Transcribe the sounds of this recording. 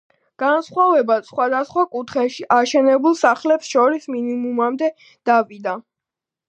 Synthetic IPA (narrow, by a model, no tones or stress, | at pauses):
ɡ̥ansχwavɛbasχwad̪asχwakʼut̪ʰχɛʃiʔaʃɛnɛbulˠsaχlɛpsʃɔɾisminimumamd̪ɛ | d̪̥avid̪a